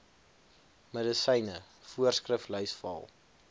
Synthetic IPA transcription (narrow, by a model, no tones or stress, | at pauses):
mədəsɛjnə | fuərskrəflœɥsfɐ̰lˠ